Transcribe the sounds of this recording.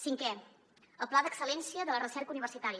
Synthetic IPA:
siŋkɛ | əlˠplaðəksəlɛnsiəðələrəsɛrkəuniβ̞ərsit̪aɾiə

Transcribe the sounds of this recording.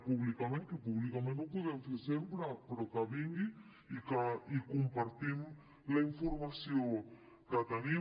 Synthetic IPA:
puβlikamẽŋkepuβlikamẽnopuðɛmfeɾsempɾapɾokaβiŋɡi | ikaikumpaɾt̪im | laiɱfuɾmasjo | kat̪ani

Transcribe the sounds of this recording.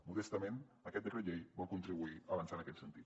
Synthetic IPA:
muðest̪amẽn | akɛt̪̚d̪ereʎejbɔlkunt̪ɾiβuiaːβansanakɛt̪sent̪it̪

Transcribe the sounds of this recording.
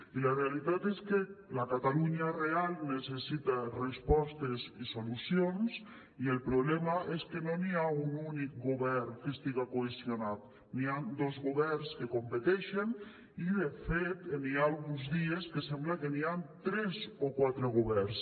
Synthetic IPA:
ilarealit̪at̪eskelakat̪aluɲarealnesesit̪arespɔst̪ezisolusjons | ielpɾoβlɛmaʔeskenoniaununik̚ɡoβɛrkest̪iɣakoesjonat̪ | niand̪ozɣoβɛrskekompet̪ɛʃen | iðefet̪enialɣunzðieskesɛmblakeniant̪ɾezokwat̪ɾeɣ̞oβɛrs

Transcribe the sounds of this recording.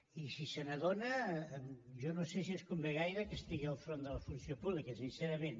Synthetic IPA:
isisənəðonə | ʒɔnosesiəskumbeɣ̞ajɾəkəst̪iɣiəlˠfɾond̪ələfunsiopuβlikəs̬insɛɾəmen

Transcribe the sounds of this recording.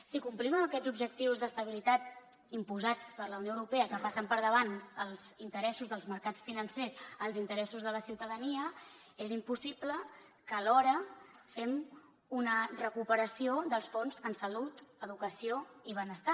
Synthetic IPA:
sikumpliməməkɛd͡zubʒək̚t̪iwzðəst̪əβ̞ilit̪at̪ | impuzat͡spəɾləwnjoəwɾupeəkəpasəmpəɾðəβ̞anəlˠz̥int̪əɾɛsuzðəlˠzməɾkat͡sfinənsezəlˠzint̪əɾɛsuzðələsiwt̪əðəniəezimpusiplə | kəlɔɾəfɛm | unərəkupəɾəsioðəlˠsfonzənsəlut̪əðukəsioiβ̞ənəst̪a

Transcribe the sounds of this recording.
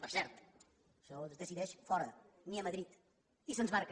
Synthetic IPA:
pɨɾsɛɾt̪u̥ | ʒɔolzðɨsiðɛʃfɔɾɐ | niɐmɐðɾit̪ | isonʒβaɾkɐ

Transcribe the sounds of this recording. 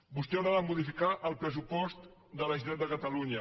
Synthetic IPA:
bust̪ɛwɾaðəmuð̞ifikaʔəlˠpɾəs̬upɔst̪d̪ələʒt̪ɛd̪əkət̪əluɲə

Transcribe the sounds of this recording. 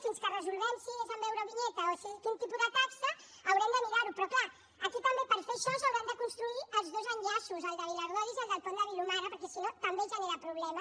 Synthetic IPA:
finskərəzulˠβɛnsiezəmbɛwɾəβiɲɛt̪əosekint̪ipuðət̪aksəː | wɾɛmd̪əmiɾaɾupɾɔkla | ɐkikwambepəɾfeʃɔzəwɾɛmd̪əkunst̪ɾuiəlˠzðozəɲʎasuzəlˠðəβiləɾðɔðizəlˠd̪əlˠt̪ɔnd̪əβilumaɾɐpəɾkɛsinot̪ɐmbeʒaneɾapɾuβlɛmɐ

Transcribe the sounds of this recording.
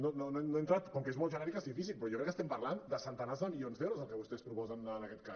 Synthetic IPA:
nononoenoent̪ɾat̪koŋkezmolʒənɛɾikazðifisilˠpɾɔjokɾɛkːest̪empaɾland̪əsənt̪anazd̪əmionzd̪ewɾuzalˠkeβust̪espɾupɔzənaənakɛt̪ka

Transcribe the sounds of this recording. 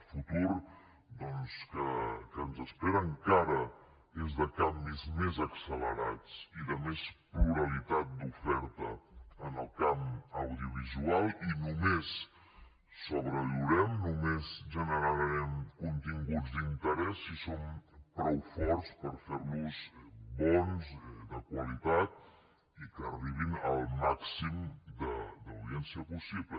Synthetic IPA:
fut̪uɾ | d̪ɔnskəkənzəspeɾəːŋkaɾə | ezðəkambizmezəksələ̰ɾa̰t͡siðəmespluɾəlit̪at̪̚d̪ufɛɾt̪əːnəlˠkaməwðiuβizualˠinumesː | oβɾəluɾɛmnumezʒənəɾəɾɾɛmkunt̪iŋɡud͡zd̪int̪əɾɛsːisompɾɔwfɔɾspəɾfeɾlusbɔnzd̪əkwəlit̪at̪̚ | ikəriβinəlˠmaksimd̪əd̪əwðiɛnsiəpusiβlə

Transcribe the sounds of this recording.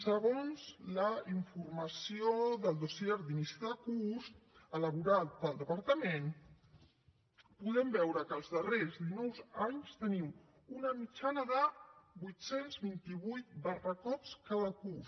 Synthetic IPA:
səɣ̞onzləiɱfurməsioðəlˠd̪osiɛɾd̪inisiðəkusələβuɾat̪̚d̪əlˠd̪əpəɾt̪əmen | puðɛmbɛwɾəkəlˠzðərezd̪inɔwzaɲst̪ənim | unəmit͡ʃanəðəbujt̪senzβint̪iβujt̪̚bərəkɔt͡skaðəkus

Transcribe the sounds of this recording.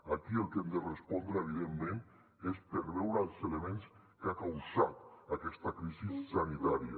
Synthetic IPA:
akiəlˠkɛmd̪ərespɔnd̪ɾəeβ̞iðemːen | espəɾβɛwɾəːlˠzelemens | kakawzat̪akɛst̪akɾizisːanit̪aɾia̰

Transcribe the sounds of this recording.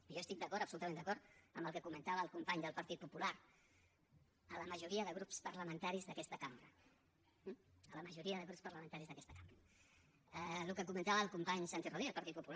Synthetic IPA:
ʒost̪ik̚d̪əkɔɾəpsulut̪əmend̪əkɔɾt̪əmbəlˠkəkumənt̪aβəːlˠkumpaɲd̪əlˠpəɾt̪it̪̚pupulaɾ | ələməʒuɾiəðəɣɾupspərləmə̃nt̪aɾizðəkɛst̪əkambɾə | ələməʒuɾiəðəɣɾupspərləmənt̪aɾizðəkɛst̪əkambɾə | əlukəkumə̃nt̪aβəːlˠkumpaɲsant̪iroðiəlˠpəɾt̪it̪̚pupul

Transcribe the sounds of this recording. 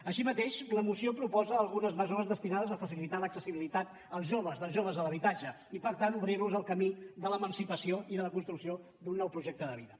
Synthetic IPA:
əʃimət̪eʃləmusiopɾupɔzəːlˠɣunəzməzoɾəzðəst̪inaðəzəfəsilit̪aləksəsiβilit̪at̪ | əlˠzʒoβəzðəlˠzʒoβ̞əzələβit̪ad͡ʒə | ipəɾt̪anuβɾiɾβuzəlˠkəmid̪ələmənsipəsioiðələkunst̪ɾuksio | d̪unːɔwpɾuʒek̚t̪əðəβiðə

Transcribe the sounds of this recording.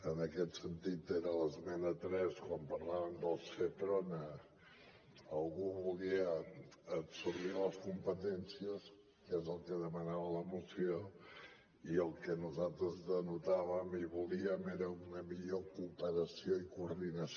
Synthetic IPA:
ənəkɛt̪sənt̪it̪eɾələzmɛnət̪ɾɛskwampəɾlaβəmd̪əlˠset̪ɾonə | əlˠɣuβuliəː | bsuɾβiləskumpət̪ɛnsiəs | kezəlˠkəðəmənaβələmusio | iəlˠkənuzalˠt̪ɾəzðənut̪aβ̞əmiβuliəmeɾəunəmiʎokupəɾəsioikuɾðinəs

